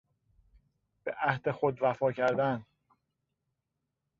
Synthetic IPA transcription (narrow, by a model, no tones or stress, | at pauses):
b̥ḛʔæhd̪e̞xod̪væfɒːcʰæɾd̪æn